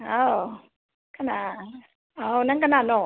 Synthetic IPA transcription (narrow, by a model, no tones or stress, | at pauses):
ʔaw | kʰana | ʔawnakʰananɔ